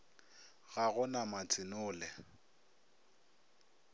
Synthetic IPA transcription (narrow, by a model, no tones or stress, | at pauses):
ɣaɣʊnamat͡sʰʼɪnʊːlɛ